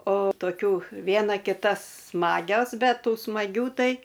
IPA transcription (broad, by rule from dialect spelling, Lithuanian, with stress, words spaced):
oː toːˈkʲuː ˈʋʲiɛnɐ kʲɪˈtɐ ˈsmɑːɡʲoːs ˈbʲɛt ˈtuː smɐˈɡʲuː ˈtɐɪ